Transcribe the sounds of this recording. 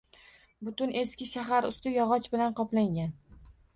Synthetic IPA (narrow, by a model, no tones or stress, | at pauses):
bʊt̪ʊnʔe̞skʲɪʃaɦaɾʊ̰st̪ɪjɒʁɒt͡ʃbɪlanqɒplaŋɡʲan